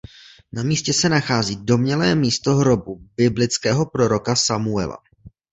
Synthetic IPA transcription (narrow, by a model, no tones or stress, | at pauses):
namiːscɛsɛnaxaːziːdo̞mɲɛlɛːmiːst̪o̞ɦɾo̞bubɪblɪt͡skɛːɦo̞pɾo̞ɾo̞kasamuɛ̰la̰